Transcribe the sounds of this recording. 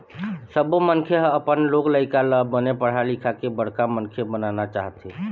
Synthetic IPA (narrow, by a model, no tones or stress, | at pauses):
səbomənkʰeɦəpənlokləɪkaləbənepəɽ̤alikʰakebəɽ̤kamənkʰebənanat͡ʃaɦət̪ɦe